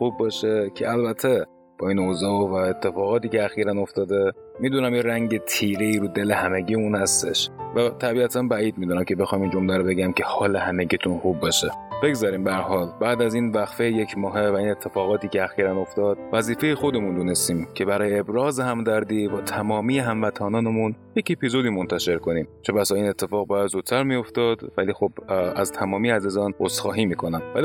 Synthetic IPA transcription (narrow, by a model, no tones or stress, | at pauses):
xuːbːɒʃecʰeælbæt̪ʰːe̞ | b̥ɒːinozɒːovæet̪ʰːefɒːɣɒːt̪iːceæxiːɾæno̞ft̪ɒːd̪e̞ | miːd̪unæmjeɾæŋɟe̞t̪ʰiːɾeiːɾuːd̪e̞le̞hæmeɟiːuːnhæst̪e̞̰ʃvæt̪ʰæbiːæt̪ʰænbæiːd̪̚miːd̪unæmcʲʰe̞be̞xɒːjmiːnd͡ʒo̞mlæɾobe̞ɟæmcʰehɒːle̞hæmeɟit̪ʰunxuːbːeʃeb̥e̞ɡzɒɾiːmbææɾɦɒːlbæːd̪æziːnvæxfejecʰmɒːɦevæiːnet̪ʰːe̞fɒːɣɒːt̪ʰiːceæxiːɾæno̞ft̪ɒːd̪̥̚væziːfe̞jexo̞d̪e̞mund̪unest̪iːmcʰe̞bæɾɒːjeːbɾɒːzehæmd̪æɾd̪iːbɒːt̪ʰæmɒːmiːjeɦæɱvæt̪ʰɒːnɒːnemunje̞ce̞pizod̪iːmont̪ʰæʃe̞ɾko̞niːmt͡ʃʰebæsɒːiːnet̪ʰːe̞fɒːɣbɒːjæd̪zut̪̚ʰt̪ʰæɾmio̞ft̪ɒd̪vælixo̞bæzt̪ʰæmɒːmijeæzizɒːnosxɒːɦiːmiːkʰo̞næmvæli